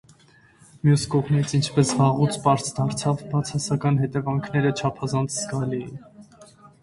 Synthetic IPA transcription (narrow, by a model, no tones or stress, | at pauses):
mjuskɔʁmit͡sʰint͡ʃʰpɛsʁɑʁut͡sʰpɑɾsʰd̪ɑɾt͡sʰɑvbɑt͡sʰɑsɑkɑnɦɛt̪ɛvɑŋkʰnɛɾət͡ʃʰɑpʰɑzɑnt͡sʰz̥ɡɑlijḭn